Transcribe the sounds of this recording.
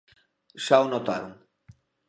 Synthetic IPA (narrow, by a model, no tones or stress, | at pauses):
ʃawnot̪a̰ɾuŋ